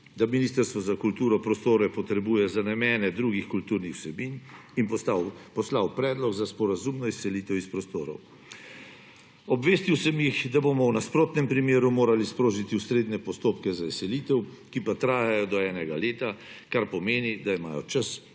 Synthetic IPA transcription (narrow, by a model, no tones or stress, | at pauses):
d̪aminiːst̪əɾst̪ʋɔzakult̪uːɾɔpɾɔst̪oːɾɛpɔt̪ɾɛbuːjɛzanɛmɛːnɛd̪ɾuːɡixkult̪uːɾnixwsɛbininpɔslawpɾɛːd̪lɔɡzaspɔɾazumnɔisɛliːt̪ɛwispɾɔst̪o̰ːɾɔ̰w | ɔbʋeːst̪iwsɛmjixd̪abomɔwnaspɾoːt̪nɛmpɾimeːɾumoːɾalispɾoːʒit̪iusɾeːd̪nɛpɔst̪oːpkɛzaisɛliːt̪ɛw | kipat̪ɾaːjajɔd̪ɔɛːnɛɡaleːt̪a | kaɾpɔmeːnid̪aimaːjɔ̰t͡ʃas